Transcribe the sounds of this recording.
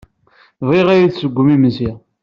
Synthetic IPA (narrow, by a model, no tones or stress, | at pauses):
vˤiʁæjiθsəɡʷːəmiməsi